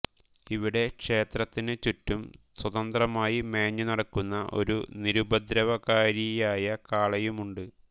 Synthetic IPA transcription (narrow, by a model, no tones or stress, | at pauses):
iʋiɽe̞kʂe̞ːt̪rɐt̪ːinɨt͡ɕutːumswɐðɐnd̪rɐmaːjimeːɲːunɐɽɐkːunːɐʔo̞̰ɾṵniɾubɐd̪ɾɐʋɐkaːɾijaːjɐkaːɭɐjumuɳɖɨ